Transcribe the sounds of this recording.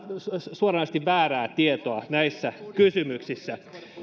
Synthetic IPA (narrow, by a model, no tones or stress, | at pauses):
suorɑnɑst̪iʋʋæːræːt̪iet̪oɑnæisːækysymyksisːæ